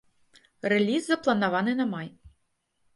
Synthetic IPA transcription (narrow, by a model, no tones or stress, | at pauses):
rɛlʲizːɐplˠɐnɐvɑnɨnɐmaj